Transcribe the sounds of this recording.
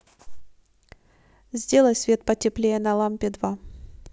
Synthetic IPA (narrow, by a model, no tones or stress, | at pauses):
zʲdʲe̞lˠəjʲsʲvʲe̞t̪̚pətʲɪplʲejənɐlˠampʲɪd̪va